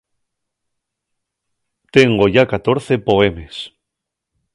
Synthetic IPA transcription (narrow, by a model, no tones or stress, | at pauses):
t̪e̞ŋɡo̞ʝakat̪o̞ɾθe̞po̞e̞me̞s